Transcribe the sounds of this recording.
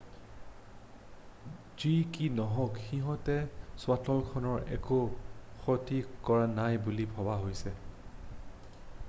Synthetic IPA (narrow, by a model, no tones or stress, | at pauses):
zikinɔɦɔkxiɦɔ̃tɛswatɔlkʰɔnɔɹɛ̰koxɔtikɔɹanajbulibʱɔbaɦojsɛ